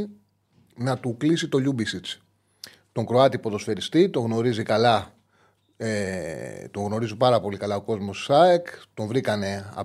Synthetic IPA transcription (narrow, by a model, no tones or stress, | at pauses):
nɐt̪uklisit̪o̞ʎubisit͡s | t̪o̞ŋkɾo̞ɐt̪ipo̞ðo̞sfe̞ɾist̪it̪o̞ɣno̞ɾizikɐlɐ | et̪o̞ŋɣno̞ɾizupɐɾɐpo̞likɐlɐoko̞zmo̞sɐekt̪o̞ɱvɾikɐne̞ɐ̰